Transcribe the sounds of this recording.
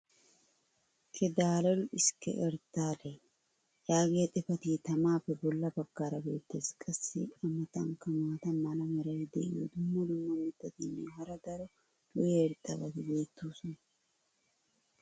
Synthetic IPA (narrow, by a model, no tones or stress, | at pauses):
kʰʼɛd̪aːlɐlʊɪskɛ̰ʔɛɾt̪ːaːle | jaːɡeːt̪ʼɛfɐt̪iːt̪ɐmaːpːɛbɔlːɐbɐɡːaːɾɐbeːt̪ːeːskʼɐsːipʼɐmɐt̪ɐŋkɐmaːt̪ɐmːɐlɐmɛɾɐwɪd̪ɛʔɪ̰jɔd̪ʊmːɐd̪ʊmːɐmɛt̪ːɐt̪inːɛ̰ɦɐɾɐd̪ɐɾɔ | lʊjeɾt̪ʼːɐbɐd̪ɪbe̞ːt̪ʰːuːsɔnɐ